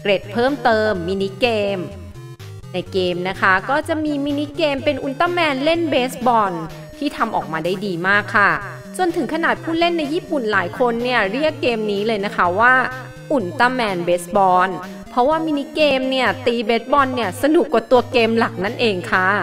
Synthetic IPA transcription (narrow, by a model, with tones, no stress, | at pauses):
kɾe˨˩t̪̚pʰɤː˥˩mt̪ɤː˧mːiː˧ni˦˥keː˧m | na˧jkeː˧mna˦˥kʰa˦˥kɔː˥˩t͡ɕa˨˩ʔmiː˧miː˧ni˦˥keː˧mpe˧nʔu˨˩nt̪a˧˥˩mɛː˧nle˥˩nbeː˦˥sbɔː˧n | t̪ʰiː˥˩t̪ʰa˧mʔɔ̰ː˨˩k̚maː˧daː˥˩jdiː˧maː˥˩kʰːa˥˩ | t͡ɕo˨˧ənt̪ʰɯ˨˩˦ŋkʰa˧naː˨˩t̪̚pʰuː˥˩le˥˩nːa˧jːiː˥˩pu˨˩nlaː˩˦jkʰo˧nːi˥˩ɐɾi˥˩əkːeː˧mniː˦˥lɤː˧jna˦˥kʰa˦˥waː˥˩ | ʔu˨˩nt̪a˧˥˩mɛː˧nbeː˦˥sbɔː˧n | pʰɾɔ˦˥waː˥˩miː˧ni˦˥keː˧mni˥˩ɐt̪iː˧beː˦˥t̪̚bɔː˧nːi˥˩ɐsa˧nu˨˩kwaː˨˩t̪u˧ɐkeː˧mla˨˩k̚na˦˥˩nʔeː˧ŋkʰa˥˩